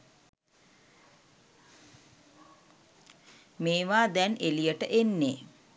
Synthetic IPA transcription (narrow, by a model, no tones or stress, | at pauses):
meːʋaːd̪ɛnelijəʈəʔenːeː